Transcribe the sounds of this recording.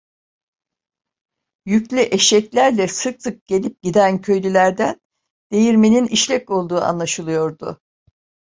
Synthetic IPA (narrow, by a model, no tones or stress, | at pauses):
jyclʲyʔeʃɛclʲæɾlʲɛsɯk̚sɯk̚ɟ̥e̞lʲip̚ɟ̥id̪æncʰø̞jlʲylʲæɾd̪æn | d̪̥e̞jiɾmeniniʃlʲɛco̞lˠd̪uːa̰nlˠaʃɯlˠɯjo̞ɾd̪ʊ̰